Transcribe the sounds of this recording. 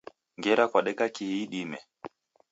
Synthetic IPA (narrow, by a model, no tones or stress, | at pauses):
ŋɡɛɾakwaɗɛkakihiːɗimɛ